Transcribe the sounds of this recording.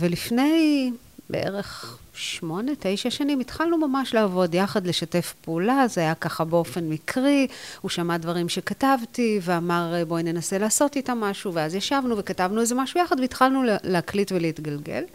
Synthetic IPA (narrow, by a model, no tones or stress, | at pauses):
velifne̞j | bḛʔḛʁeχʃmo̞ne̞tejʃaʃanimitχalnumamaʃleavo̞djaχadle̞ʃate̞fpeulazeajakaχabeo̞fe̞nmikʁiuʃamadvaʁimʃe̞katavtiveamaʁbo̞ne̞naselaːso̞titamaʃuveazjaʃavnuve̞katavnuezemaʃujaχadveitχalnulleaklitveleitɡalɡe̞̰l